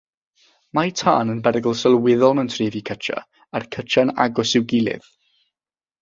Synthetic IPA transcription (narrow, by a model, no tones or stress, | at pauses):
majtʰaːnənbɛɾɪɡəlˠsəlˠwɪðɔlˠməntʰriːvikʰət͡ʃʰa̰ | arkʰət͡ʃʰana̰ɡʊsɪwɡɪlˠɪ̰ð̥